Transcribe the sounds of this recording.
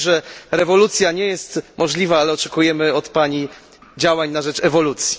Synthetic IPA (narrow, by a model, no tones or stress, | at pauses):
ʐɛɾɛvɔlut̪sʲjaɲɛjɛst̪mʔɔʐlʲivaalɛɔt͡ʂɛkujɛmɘɔt̪paɲi | d͡ʑawaɲnaʐɛt͡ʂɛvɔlut̪sʲji̥